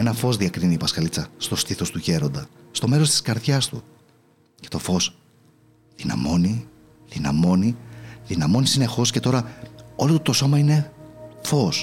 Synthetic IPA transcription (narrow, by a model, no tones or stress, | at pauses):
e̞nɐfo̞zðiɐkɾiniːpɐskɐlit͡sɐst̪o̞st̪iθo̞st̪uçe̞ɾo̞nd̪ɐst̪o̞me̞ɾo̞st̪i̥skɐɾðçɐst̪u | ce̞t̪o̞fo̞s | ðinɐ̰mo̞ni | ðinɐ̰mo̞niðinɐmo̞nisine̞xo̞sce̞t̪o̞ɾɐo̞lot̪t̪o̞so̞mɐine̞fo̞s